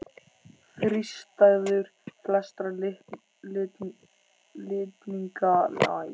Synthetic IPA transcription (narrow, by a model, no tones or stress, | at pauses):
θɾist̪aɣðʏɾ̥flɛst̪ɾa | lɪːt̪niŋkala̰ːj